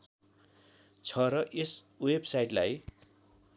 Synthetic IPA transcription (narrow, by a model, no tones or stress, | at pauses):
t͡sʰʌɾʌʔeswebsajʈlaj